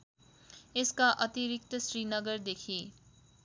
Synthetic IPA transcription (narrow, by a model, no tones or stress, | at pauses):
eskaʔʌt̪iɾik̚t̪ʌsɾinʌɡəɾd̪ekʰi